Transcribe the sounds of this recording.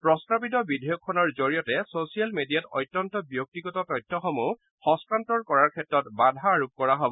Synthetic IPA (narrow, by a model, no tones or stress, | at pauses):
pɹɔstɹapit̬ɔbidʱɔjɔkʰːɔnɔɹzoɹijɔtɛsosijalmedijatɔ̰jtːɔntɔbijok̚tiɡɔtɔtɔjtʰːɔxɔmu | xɔ̃stɹantɔɹkɔɹaɹkʰɛtɹɔtbadʱaːɹuk̚kɔɹaɦobɔ